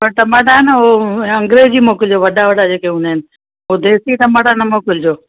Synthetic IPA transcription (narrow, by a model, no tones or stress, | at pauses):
pɐɾt̪ɐmaɖaːɦɪnoɐ̃ŋɡɾed͡ʑiːmoːkɪld͡ʑoːʋɐɗaʋɐɖad͡ʑeːkeʊnɦɪnɪ | od̪eːsit̪ɐmaːɽaːnɐmoːkɪld͡ʑoː